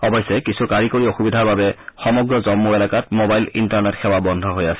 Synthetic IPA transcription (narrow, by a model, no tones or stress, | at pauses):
ɔbɔjsɛkisukaɹikoɹioxubidʱaɹbabɛxɔmɔɡɹɔzɔmːuɛlakatmobajlḭntaɹnɛtxʰɛwabɔndʱɔɦojasɛ̥